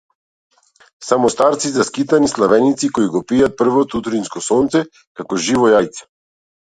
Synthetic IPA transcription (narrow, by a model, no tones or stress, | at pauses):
samɔst̪aɾt̪sizaskit̪anislˠavɛnit̪sikɔiɡɔpijat̪̚pr̩vɔt̪ut̪ɾinskɔsɔnt̪sɛ | kakɔʒivɔjajt̪sɛ̥